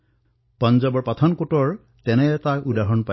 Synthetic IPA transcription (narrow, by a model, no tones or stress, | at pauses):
pɔnzɔbɔɹpat̪ʰɔnkotɔɹ | tɛnɛtakudaɦɔnpa